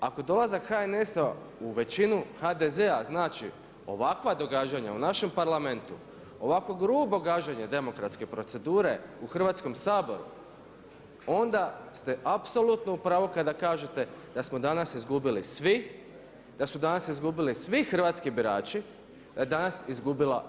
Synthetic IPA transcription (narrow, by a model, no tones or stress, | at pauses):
ako̞d̪o̞lˠazakxaene̞sa | uʋe̞t͡ʃinuxad̪ezeaznaːt͡ʃḭ | o̞̰ʋakʋad̪o̞ɡad͡ʑaɲa̰unaʃe̞mpaɾlˠame̞nt̪u | o̞ʋakʋo̞ɡɾuːbo̞ɡad͡ʒaɲed̪e̞mo̞kɾat̪ske̞pɾo̞t̪se̞d̪uːɾe̞uxr̩ʋaːt̪sko̞msaːbo̞̰ɾṵ | o̞nd̪ast̪e̞ʔapso̞lˠut̪no̞upɾaːʋokad̪akaːʒe̞t̪e̞d̪̥asmo̞d̪anasizɡubilisʋi | d̪asud̪anasizɡubilisʋixr̩ʋat̪skibiɾaːt͡ʃi | d̪̥ajed̪anasizɡubila̰